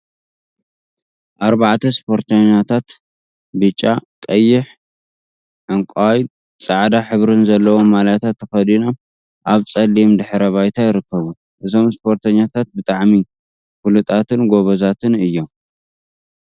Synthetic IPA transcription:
ʔaɾbaʕt̪ʰɐspʰo̞ɾt̪ʰɐɲːat̪ʰat̪ | bɨt͡ʃʼːakʼɐjːɪħ | ʕɨŋkʷʼaj | t͡sʼaʕd̪aħɨβɾɨnzɐlːɐwo̞mːaljt̪ʰat̪ːɐxɐd̪inam | ʔaβt͡sʼɐlːimd̪ɨħɾɐβajt̪ʰajɪɾɨkːɐβun | ʔɨzo̞mspʰo̞ɾt̪ʰɐɲːat̪ʰat̪̚bɨt̪ʼaʕmi | fulɨt̪ʼat̪ʰɨnɡo̞βɐzat̪ʰɨnɨjːo̞m

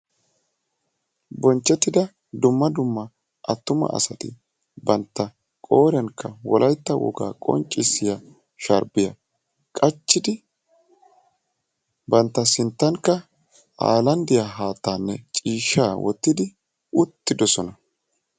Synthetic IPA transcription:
bɔnt͡ʃːɛt̪ːɪd̪ɐ | d̪ʊmːɐd̪ʊmːɐ | ʔɐt̪ːʊmɐ̰ʔɐ̰sɐt̪ɪ̰ | bɐnt̪ːɐ | kʼoːɾɐŋkːɐwɔlʔɐjt̪ːɐwɔ̰ɡa̰ːkʼɔ̰nt͡ʃʼːɪsɪjɐ | ʃɐɾbɪjɐ | kʼɐt͡ʃːɪd̪ɪ | bɐnt̪ːɐsɪnt̪ːɐŋkːɐ | ʔa̰ːlɐnd̪ɪjaɦaːt̪ːaːnːɛt͡ʃʼiːʃːaːwʔɔ̰t̪ːɪd̪ɪ | ʊt̪ːɪd̪ɔsɔnɐ

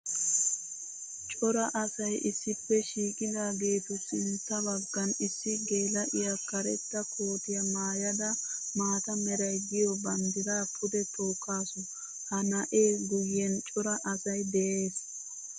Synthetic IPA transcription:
t͡ʃʼɔɾɐʔɐsɐjʔɪsːɪpːɛʃiːkʼɪd̪aːɡe̞ːt̪ʊsɪnt͡sːɐbɐɡːɐnɪsːɪɡe̞ːlɐʔɪjakɐɾɛt̪ːɐkʰo̞ːp̪ɪjɐmaːjɐd̪ɐmaːt̪ɐmɛɾɐjɡɪjɔbɐnd̪ɪɾaːpʰʊd̪ɛt̪o̞ːkːaːsɔ | hɐnɐʔeːɡʊjːɛnt͡ʃʼɔɾɐʔɐsɐjd̪ɛʔeːs

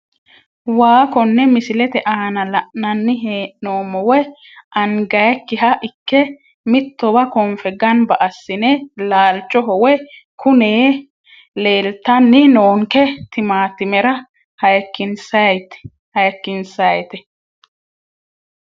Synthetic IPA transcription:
waːkɔnːɛmɪsɪlɛt̪ɛʔaːnɐlɐʔnɐnːɪɦeːʔnoːmːɔwɛ | ʔɐŋɡɐjkːɪɦɐʔɪkːɛ | mɪt̪ːɔbɐkɔmfɛɡɐnbɐʔɐsːɪnɛlaːlt͡ʃʼːɔɦɔwɛkʊneː | leːlt̪ːɐnːɪnoːŋkɛt̪ɪmaːt̪ɪmɛɾɐ | hɐjkːɪnsɐjt̪ɛ̥ | hɐjkːɪnsɐjt̪ɛ

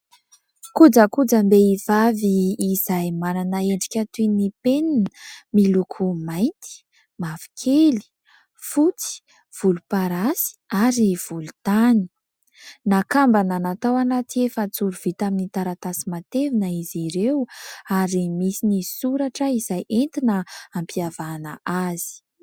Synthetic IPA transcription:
kud͡zəkud͡zəmbeiv̥aviːzajmananəeɳɖ͡ʐikʲat̪uinipeninəmilukʰumajnt̪i̥ | mavi̥kʰeli̥ | fut͡si̥ | v̥ulupaɾasi̥aɾiv̥ulut̪ani̥ | nakambananat̪awanat̪iefət͡suɾuv̥it̪aminit̪aɾat̪asimat̪evinəiziɾewaɾimisinisuɾaʈ͡ʂəizajʔent̪inəampiavanəʔazi̥

